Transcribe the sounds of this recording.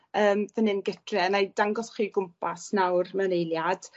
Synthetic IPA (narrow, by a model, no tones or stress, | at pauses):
əːmvənɨnɡətʰrɛnajdaŋɡɔsχiːɡʊmpʰasnawrmənejlˠjad̥